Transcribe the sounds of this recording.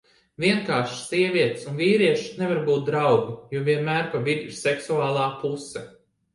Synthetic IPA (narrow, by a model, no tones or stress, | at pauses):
vʲiɛŋkaːʃsiɛviɛt̪sunviːɾiɛʃnevaɾbuːt̪̚d̪ɾawɡijuɔvʲiɛnmæːɾpavid̪ʲiɾsɛksuaːlˠaːpusɛ